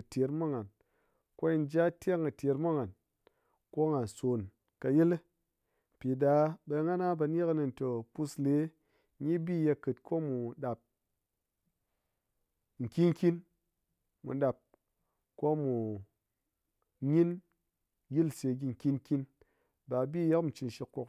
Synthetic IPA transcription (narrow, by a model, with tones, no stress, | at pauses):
ɨ˨te˨˦ɾmu˦ŋa˨n | ko˦i˧n˦d͡ʒa˦tʲe˦ŋɨ˨te˧ɾmu˦ŋa˨n | ko˦ŋa˨nso˨n | ka˧ji˦l | m̩˨pi˨da˧˦ɓe˧˦ŋa˦na˦ba˧n˦e˦kni˧n˨to˨pu˦sle˨˦ | i˦bi˦je˧kɨ˨tkʰo˦mu˨ɗa˨p̚ | ŋ̩˨kʲi˦nŋ˦kʲi˦n | mṵ˨ɗa˨p̚ | ko˦mu˨ | ɲi˦n | ji˦lse˧˨ɡʲi˧ŋ̩˨kʲi˦nkʲi˦n | ba˨bi˦˨je˦kmu˨t͡ʃi˧nʃi˧kːo˧k